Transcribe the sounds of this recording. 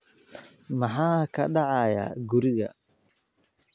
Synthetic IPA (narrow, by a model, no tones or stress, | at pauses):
mɐħaːkʰɐɖɑʕɑja̰ɡuɾɪɣɐ̰